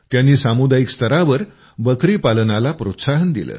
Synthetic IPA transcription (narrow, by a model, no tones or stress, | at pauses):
t̪janːiːsamud̪ajikst̪ʰəɾaʋəɾ | bəkɾiːpalənalapɾot̪saɦənd̪ilə̰ː